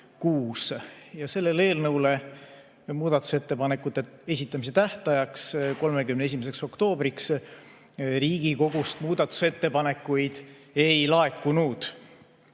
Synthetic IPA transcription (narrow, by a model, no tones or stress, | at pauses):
kuːsjɑse̞lːe̞le̞ːlnɤwle̞ | muːd̪̥ɑt̪ːˑu̥se̞t̪ːe̞pɑne̞kːˑut̪ːˑe̞e̞s̬ʲit̪ːˑɑmis̬e̞t̪æht̪ɑjɑksko̞lme̞kymnees̬imes̬e̞kso̞kt̪o̞ːb̥ɾiks | riːɡ̥iko̞ɡ̥ust̪muːd̪̥ɑt̪ːˑu̥se̞t̪ːe̞pɑne̞kːujd̪̥e̞jlɑe̞kːˑunud̪̥